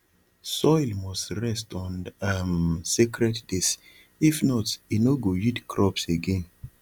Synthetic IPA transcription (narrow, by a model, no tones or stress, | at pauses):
sɔlmɔstɹɛstɔ̃namsikɹɛtd̥is | ifnɔtinoɡojitkʰɹɔpseɡẽn